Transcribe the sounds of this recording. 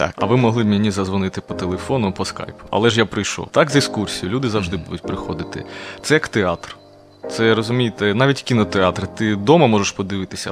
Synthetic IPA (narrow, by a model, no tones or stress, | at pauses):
ɐ̰ʋɪmɔɦlˠɪbmʲenʲizɐzʋɔnɪt̪ɪpɔt̪elˠefɔnʊpɔska̰jpʊ̥ɐ̰lˠɛʒjapɾɪjʃɔ̰wt̪ɑkzɪskursʲijʊlʲud̪ɪzɐʋʒd̪ɪbud̪ʊtʲpɾɪxɔd̪ɪt̪ɪ̰t̪sɛjɐkt̪eɑt̪r | t̪sɛɾɔzʊmʲijet̪ɛnɑʋʲitʲkʲinɔt̪eɑt̪ɾɪt̪ɪd̪ɔmɐmɔʒeʃpɔd̪ɪʋɪt̪ɪsʲɐ̰